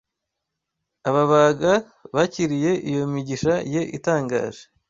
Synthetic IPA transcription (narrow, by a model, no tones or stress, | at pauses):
aβaβaːɡa | βaciɾije̞ʔijo̞miɟiʃaje̞ʔitaːŋɡa̰ːʒ̥e